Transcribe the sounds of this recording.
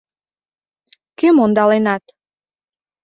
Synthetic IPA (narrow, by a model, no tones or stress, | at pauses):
kømond̪ɑlenɑt̪